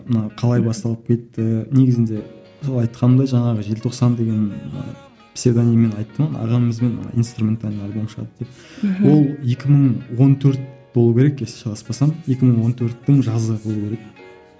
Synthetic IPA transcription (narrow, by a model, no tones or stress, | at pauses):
mənɑqʰɑlˠɑjbɑst̪ɑlˠəp̚kʲʰe̞t̪ːɪne̞ɡʲɪzɪnd̪e̞ | solˠɑjt̪qɑnəd̪ɑʒɑɴɑʁəʒelt̪ʰo̞qsɑnd̪e̞ɡʲe̞n̰ | pʰʲsʲe̞d̪anime̞nɑjt̪ːəmənɑ̰ʁɑnəməzme̞nmə̰nɑ̰ijnst̪rumʲe̞nt̪alɪalʲbo̞mʃəʁɑ̰d̪əd̪ep̚ | wo̞lˠje̞kʲɪməɴwo̞nt̪ʰɵɾt̪̚b̥o̞lˠukʲʰe̞ɾek̚esʃɑlˠɑspɑsɑmje̞kʲɪməɴwo̞nt̪ʰɵɾt̪ːɪŋʒɑzəbo̞lˠukʲeɾek